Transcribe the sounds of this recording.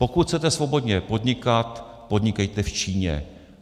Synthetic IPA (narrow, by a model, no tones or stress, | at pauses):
po̞kut̪xʰt͡sɛt̪ɛsvo̞bo̞d̪ɲɛpo̞d̪ɲɪkat̪ | po̞d̪ɲɪkɛjt̪ɛft͡ʃiːɲɛ̰